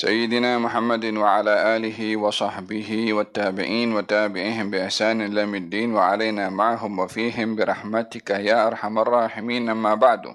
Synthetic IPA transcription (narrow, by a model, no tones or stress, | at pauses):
sa̰jːɪd̪ɪnaːmʊħamːad̪waʕalaːʔaːlɪɦɪwɑsˤɑħbɪɦɪwat̪ːaːbɪ̰ʕiːnwat̪aːbɪʕihɪmbɪʔɪħsaːnɪlːaːmɪd̪ːiːnwaʕalajnaːmaʕaɦʊmwafiːɦɪmbɪɾˤɑħmat̪ɪkajaːʔɑɾˤħamɑrˤːɑːħɪmiːnʔamːaːbaʕd̪ʊ̰